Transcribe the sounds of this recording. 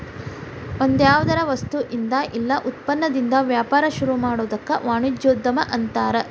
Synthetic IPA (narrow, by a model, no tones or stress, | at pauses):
ond̪jaːʋɐd̪ɐɾɐʋɐst̪uʔind̪ɐʔilːɐʔut̪̚pɐnːɐd̪ind̪ɐʋjaːpaːɾɐʃuɾumaːɽoːd̪ɐkːɐʋaːɳud͡ʒjoːd̪ːɐmɐʔɐnt̪aːɾe